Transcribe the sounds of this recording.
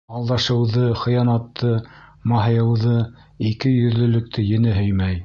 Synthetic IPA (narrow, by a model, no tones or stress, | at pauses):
ɑlˠd̪ɑʃɤ̆wðɤχɤ̆jɑnɑt̪ʰːɤmɑɦɤ̆jɤ̆wðɤ | ikɘjɵ̆ðlɵ̆lɵ̆k̚t̪ʰɘjɘ̆nɘɦɵjmæj